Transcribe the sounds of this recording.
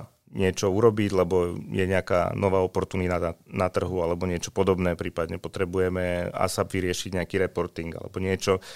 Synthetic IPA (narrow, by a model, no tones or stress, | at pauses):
ɲɪɛt͡ʃɔuɾɔbiɟlɛbɔjɛɲɛaka̰ːnʔɔʋaːɔpɔɾt̪uːnit̪aanat̪r̩ɦualɛbɔɲɪɛt͡ʃɔ̥pɔd̪ɔbnɛːpɾiːpad̪ɲɛpɔt̪ɾɛbujɛmɛa̰sabʋiɾɪɛʃiɟɲɛakiɾɛpɔɾt̪iŋɡa̰lɛ̰bɔɲɪɛt͡ʃɔ